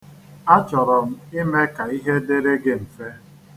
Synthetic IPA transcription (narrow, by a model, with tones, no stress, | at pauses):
a˦t͡ʃɔ˨ɾɔ˨m̩˦i˦me˦ka˨i˦ɦe˦de˦ɾe˦ɡe˦m̩˨fe˦